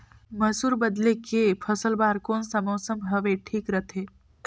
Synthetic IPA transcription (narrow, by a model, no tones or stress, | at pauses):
mɐsuːɾbəd̪lekepʰɐsəlbaːɾkoːnsəmoːsə̃mbʱɐʋeʈʰiːkɾɐt̪ʰeː